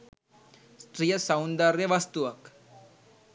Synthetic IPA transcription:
st̪ɾijəsawnd̪aɾjeʋast̪uʋək

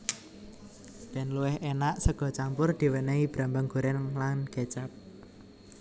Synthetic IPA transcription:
b̥ɛ̤nluwɪhenaʔsəɡ̥ɔ̤t͡ʃampʊrd̪̥i̤wəneib̥ɾambaŋɡ̥ṳɾɛnlanɡ̥ɛt͡ʃap̚

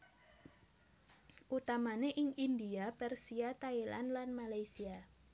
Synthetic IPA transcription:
ʔut̪amaneʔɪŋindiapɛrsiat̪aila̰nlanmalajsia

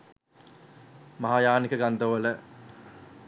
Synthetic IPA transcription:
maɦajaːnikəɡand̪əʋələ

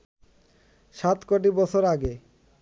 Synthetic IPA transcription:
ʃat̪koʈ̬ibɔt͡ɕʰoɾaɡe

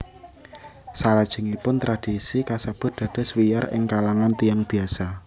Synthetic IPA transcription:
saɾad̥ʒ̥ə̤ŋipʊnt̪ɾad̥isikasab̥ʊ̤r̚d̪̥ä̤d̥a̤swijarɪ̰ŋkalaŋant̪ijaŋb̥i̤asa

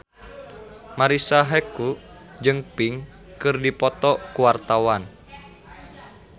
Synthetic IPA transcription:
maɾisaɦɛku | d͡ʒɨŋpiŋ | kɨrdipɔt̪ɔkuwart̪awan

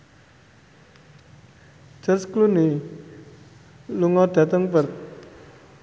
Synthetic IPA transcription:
d͡ʒ̥ərskluni | luŋɔd̪̥a̤t̪əŋpərt̪̚

